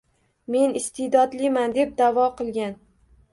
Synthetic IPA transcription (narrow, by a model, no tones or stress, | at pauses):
me̞nɪst̪ʰɪd̪ɒd̪lɪmand̪e̞p̚d̪avɒqʰɨlˠɡʲan